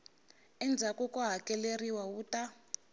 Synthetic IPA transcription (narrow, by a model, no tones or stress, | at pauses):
ɛnd͡zʱakɔkɔɦakɛleriwawuːta